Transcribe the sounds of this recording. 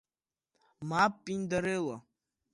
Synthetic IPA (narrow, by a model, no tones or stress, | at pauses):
maːppʼind̪aɾela